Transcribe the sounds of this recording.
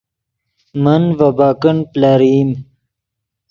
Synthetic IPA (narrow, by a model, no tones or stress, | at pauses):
mɐnvabaːkəɳplaːɾiːm